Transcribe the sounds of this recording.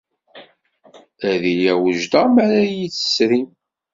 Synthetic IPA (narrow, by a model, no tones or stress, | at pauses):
æðijæwəʒd̪ɑmæɾæjiθə̥sɾim